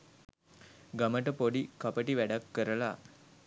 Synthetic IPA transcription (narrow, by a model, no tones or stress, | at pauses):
ɡaməʈəpoɖikapəʈiʋæɖakːəɾəla